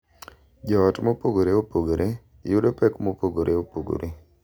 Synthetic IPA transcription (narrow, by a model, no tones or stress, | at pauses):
d͡ʒɔɔtmopoɡoɾeopoɡoɾʔe | judopɛkmopoɡoɾʔeopoɡo̰ɾe